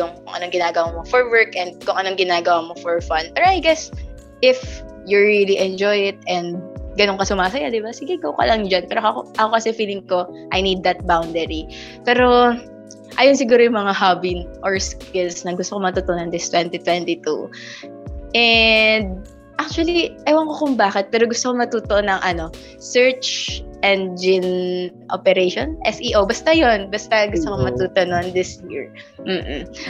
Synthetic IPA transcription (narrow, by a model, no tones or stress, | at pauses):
jʊŋkʊŋʔɐnoŋɡɪnaːɡɐwamofɔɹwɛɹkʔɛnd̪̚kʊŋʔɐno̞ŋɡɪnaːɡɐwamofɔɹfɐnd̪̚pɛːɾoajɡɛs | ʔɪf | jʊɹiliʔɛnd͡ʒɔjɪt̪̚ɛnd̪̚ɡɐnonkɐsʊmaːsɐjad̪ɪbasɪɡɛɡowkɐ̰lɐŋd͡ʒɐnpɛːɾoɐkoʔɐko̞kɐsɛfiːlɪŋko̞ʔɐjnid̪ːɐt̪̚bawnd̪ɛɹi | pɛːɾo̞ | ʔaːjons̬ɪɡuːɾojʊŋmɐŋaɦabinʔɔɹskɪlsnɐɡʊst̪okomɐt̪uːt̪oʔonɐnd̪ɪst̪wɛnt̪it̪wɛnt̪it̪ṵ | ʔɛnd̪̚ | ʔak̚t͡ʃʊɐliʔɐjwɐŋkokʊŋbaːkɛt̪̚pɛːɾo̞ɡʊst̪okomɐt̪uːt̪oʔonɐŋʔɐno̞ | sɛɹt͡ʃʔɛnd̪̚d͡ʒɪnʔo̰pɛɾejʃonʔɛsʔiːʔowbɐst̪ajonbɐst̪ɐɡʊst̪okomɐt̪uːt̪onond̪ɪsjiɹm̩ː